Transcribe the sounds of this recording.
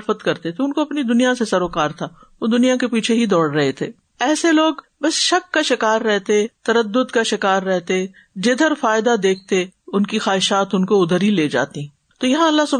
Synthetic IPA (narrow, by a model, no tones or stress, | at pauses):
fət̪kɐɾt̪et̪ʰeʊnkoɐpnid̪ʊnijasesɐɾoːkaːɾt̪ʰa | ʋod̪ʊnijakepiːt͡ʃʰeɦid̪ɔːɽɾɐɦet̪ʰeː | ɛːseloːɡ | bɐsʃɐkːaʃɪkaːɾːɛɦt̪et̪ɐɾəd̪ːʊd̪kaʃɪkaːɾːɛɦt̪eɛ̃ | d͡ʒed̪ʱəɾfaːɪd̪ad̪eːk̚ʰt̪eʊnkixaːɦɪʃaːt̪ʊnkoʊd̪ʱəɾileːd͡ʒa̰ːt̪iɦɛ̃ | t̪oːjɐɦãɐlːasʊb